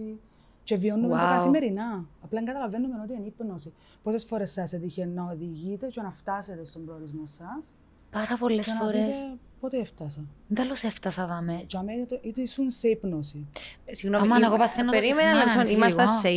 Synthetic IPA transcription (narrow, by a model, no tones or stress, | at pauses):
i | t͡ʃe̞vionːund̪ekɐθime̞ɾinɐːplɐeŋɡɐt̪ɐlɐvenːumenot̪iɐnipnosi | posesfoɾesːɐset̪içenɐoðiʝit̪e̞t͡ʃenɐft̪ɐset̪est̪ombɾolizmosɐs | pɐɾɐpolːesnfoɾet̪es | pot̪eeft̪ɐsɐnd̪ɐloseft̪ɐsɐðɐmet͡ʃeɐmet̪oʔit̪esunseipnosisiɣnomimɐeɣopɐθenopeɾimenɐlesonimɐst̪ɐe